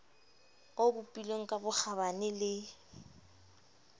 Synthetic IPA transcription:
obʊpʼileŋ̩kʼabʊk͡xabanɪlɪ

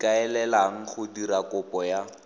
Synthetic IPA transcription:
kaɛlɛlaŋ̩χʊdiɾakʊpɔja

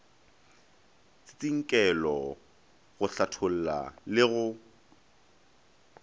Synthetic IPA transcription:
t͡sɪ̥t͡sʼiŋ̩kʼɛlɔ | ɣʊɬatʰol̩la̰lɪɣʊ

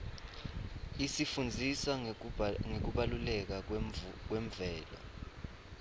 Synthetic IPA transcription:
isifund͡zʱisa | ŋek̬uɓalulɛk̬ak̬wɛɱbvɛːla̰

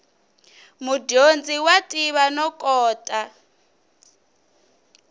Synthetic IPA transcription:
mudond͡ziwatʼiβanɔkʼɔːtʼa

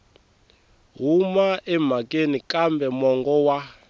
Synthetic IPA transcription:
ɦumaʔɛm̤akʼenikʼambɛmɔŋɡɔwa

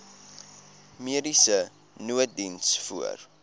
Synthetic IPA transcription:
miəɾisə | nuət̚dinsfṵə̰r

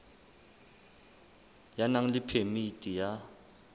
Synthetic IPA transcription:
janaŋ̩lipʰemitʼija

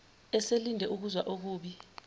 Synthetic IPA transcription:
ɛselindʱɛʔuk̬uzwaʔok̬uːɓi

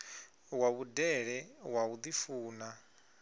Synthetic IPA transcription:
waβudɛɺɛwaβud̪ifuːna

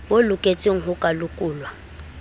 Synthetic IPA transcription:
bolʊkʼet͡sʼɪŋ̩ɦʊkʼalʊkʼuːlwa

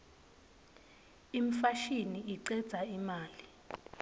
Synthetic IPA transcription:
im̩faʃiniʔiǀɛd̥z̥ʱaimaːli

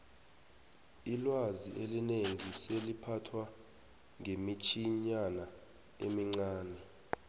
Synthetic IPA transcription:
ilwaziʔelineŋiselipʰatʰwa | ŋʱemit͡ʃʰiɲana | emiŋ͡ǀaːnɛ

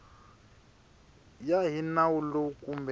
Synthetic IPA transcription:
jaɦinawulokʼumb

